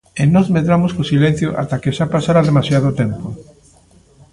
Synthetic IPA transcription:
enɔzmeðɾamoskosilẽn̟θjoʔa̰t̪akeʃapasaɾaðemasjað̞ot̪empo

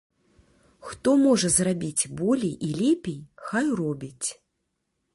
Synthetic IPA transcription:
xt̪ɔmɔʐɐzrabʲit͡sʲbɔlʲijʔilʲɛpʲejxajrɔbʲit͡sʲ

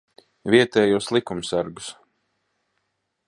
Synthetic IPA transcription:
viɛt̪ɛːjuɔslˠikumsaɾɡus

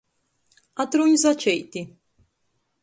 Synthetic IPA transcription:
at̪ɾunʲzat͡ʃʰɛjt̪i

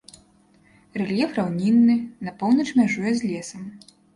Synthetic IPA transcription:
rɛlʲjɛfrawnʲinːɨnɐpɔwnɐt͡ʂmʲaʐujɛzʲlʲɛsɐm

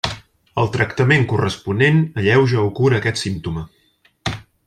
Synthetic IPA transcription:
əlˠt̪ɾəkt̪əmeŋkurəspunenəʎɛwʒəukuɾəːkɛt̪simt̪umə

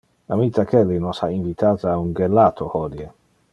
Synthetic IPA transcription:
amit̪ːakʰɛlːinɔsa̰iɱvit̪ʰaːt̪aːuŋɡɛlːat̪ʰohɔd̪je

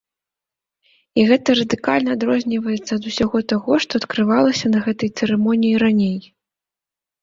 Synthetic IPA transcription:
iɣɛt̪ɐɾɐd̪ɨkalʲnɐːd̪ɾɔzʲnʲivɐjɛt̪sːɐːd̪usʲaɣɔt̪aɣɔʂt̪ɔːt̪kɾɨvalˠɐsʲɐnɐɣɛt̪ɐjt̪sɛɾɛmɔnʲijiɾanʲej

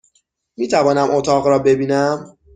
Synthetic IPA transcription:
miːt̪ʰævɒːnæmʔot̪ʰɒːɣɾɒːbe̞biːnæm

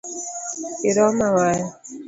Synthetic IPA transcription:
iɾɔmawaj

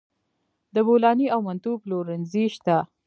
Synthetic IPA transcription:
d̪əbolɑniawmant̪uploɾənziʃt̪a

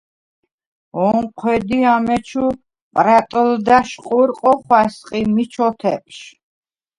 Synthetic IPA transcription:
ɔɴqʰwɛd̪iamɛt͡ʃʰu | pʼɾat̪ʼld̪aʃqʼuɾqʼɔχwasqʼimit͡ʃʰɔt̪ʰɛp̚ʃ

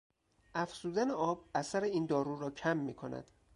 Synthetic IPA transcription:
ʔæfz̥uːd̪æneʔɒːbæsæɾeiːnd̪ɒːɾuːɾɒːcʰæmːiːkʰonæ̰d̪̥

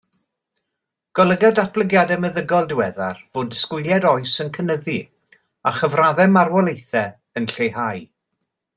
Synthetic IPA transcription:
ɡ̥ɔlˠəɡadat̚b̥lˠəɡjadɛməðəɡɔlˠdɪwɛðarvoːdskʊjlˠjadɔɨsənkʰənəðɨ | aχəvraðɛmarwɔlˠejθɛ | ənɬejhaj

